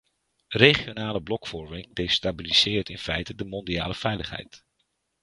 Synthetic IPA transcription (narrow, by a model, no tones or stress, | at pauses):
reχijonaːləblɔkfɔɹmɪŋdejstabiliz̥ɪːrtɪnfɛjtədəmɔndia̰ːləvɛjləχɦɛ̰jt